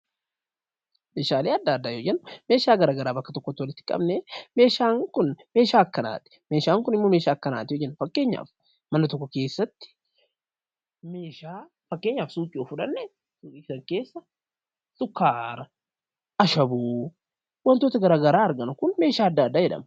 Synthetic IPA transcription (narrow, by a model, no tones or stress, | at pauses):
meːʃaːleːɐd̪ːaːd̪ːaːjoːd͡ʒɛnːʊme̞ːʃaːɡɐɾaːɡɐɾaːbɐkːɐt̪ɔkːɔt̪ːɪwɐlɪt̪ːɪ̥kʼɐ̰bnɛme̞ːʃaːŋkʊnme̞ːʃaːɐkːɐna̰ːt̪ɪ̥me̞ːʃaːŋkʊnɪmːome̞ːʃaːkːɐna̰ːt̪ɪjoːd͡ʒɛnːʊfɐkːe̞ːɲːa̰ːf | mɐnɐt̪ɔkːɔke̞ːsːɐt̪ːɪ̥ | me̞ːʃaː | fɐkːeːɲːaːfsuːkʼɪoːfʊᶑɐnːɛ | suːɪsɐŋke̞ːsːɐ | sʊkːaːɾɐ | ɐʃɐbuː | wɐnt̪oːt̪ɐɡɐɾaːɡɐɾaːɐɾɡɐnʊkʊnme̞ːʃaːɐd̪ːaːd̪ːaːd͡ʒɛᶑɐ̰mɐ